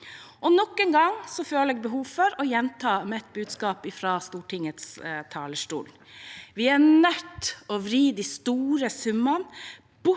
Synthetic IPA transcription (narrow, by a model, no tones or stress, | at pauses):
ʔɔnɔkːənɡɑŋsɔføːləɛːɡ̚bɛɦuːʋfɔɾɔjɛnt̪ʰɑːmɛɛt̪̚bʉːd̪skɑːpɪfɾɑːst̪uːʈɪŋət̪st̪ʰɑːləʂʈṵːl | ʋɪænœt̪ːɔʋɾiːd̪ist̪uːɾəsʉmɑn | b̥ʊ